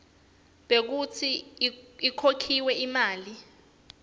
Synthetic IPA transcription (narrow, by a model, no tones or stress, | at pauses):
ɓek̬ut͡sʰi | ikʰokʰiwɛimaːli